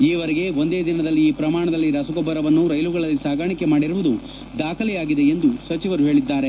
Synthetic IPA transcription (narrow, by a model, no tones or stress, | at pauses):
iːʋɐɾeɡe̞ond̪eːd̪inɐd̪ɐlːiːpɾɐmaːɳɐd̪ɐlːiɾɐsɐɡɔbːɐɾɐʋɐnːuɾɐjluɡɐɭɐlːisaːɡaːɳikemaːɽiɾuʋud̪u | d̪aːkʰɐlɛjaːɡid̪e̞end̪usɐt͡ʃiʋɐɾuɦe̞ːɭid̪ːaːɾe